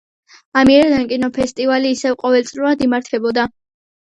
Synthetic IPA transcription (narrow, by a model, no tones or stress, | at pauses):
amiɛɾd̪ankʼinɔpʰɛst̪ʼivaliːsɛvqʼɔvɛlt̪sʼɾiiad̪imaɾt̪ʰɛbɔd̪a